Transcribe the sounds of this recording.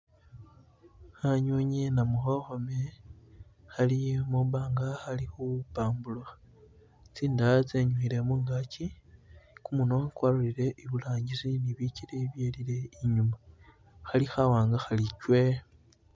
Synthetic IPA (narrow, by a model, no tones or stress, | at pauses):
xaɲuɲenamuxoxome | xalimuβaːŋɡaxalixuupaːmbulaa | t͡siːndat͡seɲuxiɾemuːŋɡaci | kumunoakwaluliɾe̞ʔiβulaːɲɟisiniβicileβjeliɾe̞iɲuma | xalixawaːŋɡaxalicwe